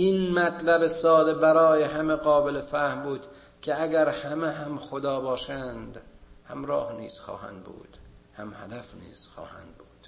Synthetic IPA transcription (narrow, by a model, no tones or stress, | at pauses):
ʔinmæt̪ʰlæbesɒːd̪e̞bæɾɒːjeɦæmeɡɒːbelefæhmbuːd̪ | kʲʰeæɡæɾhæmeɦæmxod̪ɒːbɒːʃænd̪hæmɾɒːhniːz̥xɒ̰ːhæ̰nd̪bṵːd̪̥hæmhæ̰d̪æfnḭːz̥xɒ̰ːhæ̰nd̪̚buːd̪̥